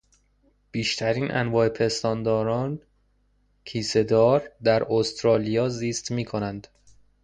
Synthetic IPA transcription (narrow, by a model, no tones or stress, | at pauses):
b̥iːʃt̪ʰæɾiːnʔæ̰nvɒːepʰe̞st̪ɒːnd̪ɒːɾɒːn | kʰiːse̞d̪ɒːɾd̪æɾost̪ɾɒːlijɒːziːst̪miːkʰo̞nænd̪̥